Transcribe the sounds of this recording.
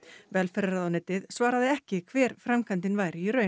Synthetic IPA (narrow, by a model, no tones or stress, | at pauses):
vɛlfɛɾaɾaðanɛːt̪ɪðsvaːɾaðɪɛhcɪkʰvɛːɾ̥fɾamkʰant̪ɪnvaːjɾɪiɾœ